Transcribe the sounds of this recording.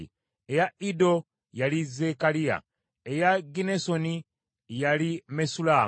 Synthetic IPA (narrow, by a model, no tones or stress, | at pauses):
ejaido̞ | jalizekalia̰ | ejaɡinesoni | jalimesulaː